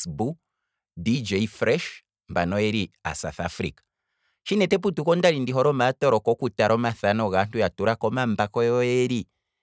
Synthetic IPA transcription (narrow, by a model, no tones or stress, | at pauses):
sbu | did͡ʒɛfɾɛʃ | mbanɔɛɾia̰sa̰θa̰fɾḭkḁ | ʃinɛtɛp̬utukɔndaɾindiɦɔɾɔmatɔɾɔkɔkutaɾɔmaθanɔɣan̥tujatuɾakɔmambakɔjɔɛɾi